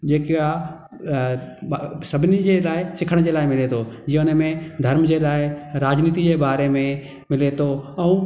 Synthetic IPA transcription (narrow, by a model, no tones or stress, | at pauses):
d͡ʑeːka | sɐbʱɪnid͡ʑelaːɪsɪkʰəɽ̃d͡ʑelaːɪmɪlet̪ʰod͡ʑijə̃ʊnəmẽd̪ʱɐɾmd͡ʑelaːɪɾaːd͡ʑniːt̪id͡ʑebaːɾemẽ | mɪlet̪ʰoɛ̃ũ